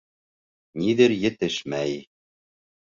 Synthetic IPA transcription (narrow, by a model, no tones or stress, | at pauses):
niðɘɾjɘ̆t̪ɘʃmæj